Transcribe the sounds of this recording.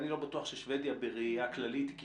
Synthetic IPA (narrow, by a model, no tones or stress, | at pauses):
nilo̞batuaχʃeʃved̪jabeʁeaklalit̪k